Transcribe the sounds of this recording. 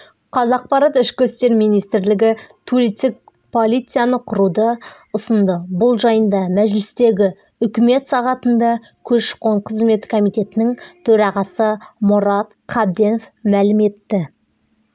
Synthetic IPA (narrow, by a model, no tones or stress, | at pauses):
qʰɑzɑq̚pɑɾɑt̪ɪʃkʲɪst̪e̞ɾmijnijst̪ɾlɪɡʲɪt̪ʰuɾit̪ɪk̚ | pʰo̞lʲˠijt̪sɨjanəqʰʊɾud̪ə | ʊsənd̪əbʊlˠʒɑjənd̪ɑmæʒlɪst̪e̞ɡʲɪ | ʏkʲɪme̞t̪sɑʁɑt̪ənd̪ɑ | kʲʰɵʃqoɴqʰəzme̞t̪kʰomijt̪e̞t̪ɪnɪŋt̪ʰɵɾɑʁɑsəmʊɾɑt̪qʰɑbd̪e̞nofmælɪme̞t̪ːɪ